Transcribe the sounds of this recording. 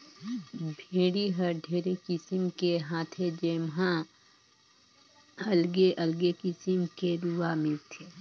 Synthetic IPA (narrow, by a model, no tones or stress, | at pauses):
bʱeːɽiɦəɾɖʱeːɾekɪsɪmkeɦãːt̪ʰed͡ʒemɦã | əlɡeʔəlɡekɪsimkeɾuamɪlt̪ʰe